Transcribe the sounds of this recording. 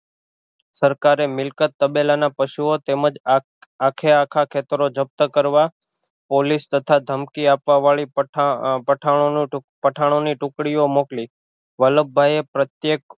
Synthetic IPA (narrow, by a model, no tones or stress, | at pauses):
səɾkaɾemɪlkət̪ːəbelanapəʃuot̪eməd͡ʒ | akʰeakʰakʰet̪əɾod͡ʒəp̚t̪əkəɾʋa | polist̪ət̪ʰad̪ʱəmkiapʋaʋaɭi | pəʈʰãopəʈʰaɽ̃oniʈʊ̃kɽiomokli | ʋələbʱːajepɾət̪jek